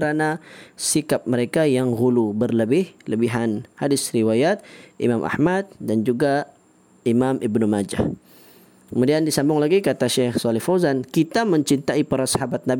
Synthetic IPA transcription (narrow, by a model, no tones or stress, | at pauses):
ɾanasikap̚məɾekajaŋɣulubərləbɪhləbiɦanhadɪsriwajat̪̚ʔḭmamʔa̰hmat̪̚dand͡ʒuɡa | imamʔibnumad͡ʒa̰ | kəmudiandisambʊŋlaɡikat̪aʃɛxsɔlɪhfozankit̪aməɲt͡ʃint̪aipaɾasḁɦabat̪̚nab